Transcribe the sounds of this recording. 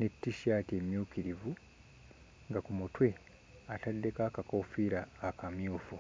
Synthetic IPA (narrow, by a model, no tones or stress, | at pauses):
netːiʃaːtie̞mjuːkiɾivu | ŋɡakumutwe̞ | atadːe̞kaːkakoːfiɾaːkamjuːfu